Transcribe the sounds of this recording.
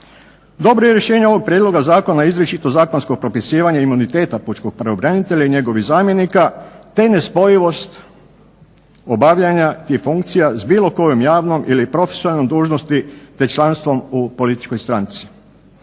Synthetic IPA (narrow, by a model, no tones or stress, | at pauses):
d̪o̞bɾoje̞ɾje̞ʃeːɲeo̞ʋo̞ɡ̚pɾjed̪lo̞ɡazaːko̞naizɾet͡ʃit̪o̞zaːkonsko̞ɡ̚pɾo̞pisiːʋaɲaimunit̪e̞ːt̪aput͡ʃko̞ɡ̥̚pɾeobɾanit̪e̞ʎaiɲe̞ɡo̞ʋihzaːmje̞nikat̪e̞ne̞spo̞jiʋo̞st̪ | o̞baʋʎaɲat̪ifuŋkt̪sijazbiːlˠo̞ko̞jomjaːʋno̞mʔilipɾo̞fe̥sonalnomd̪uːʒnost̪it̪e̞t͡ʃlanst̪ʋo̞mupo̞lit̪i̥t͡ʃko̞jst̪ɾant̪si̥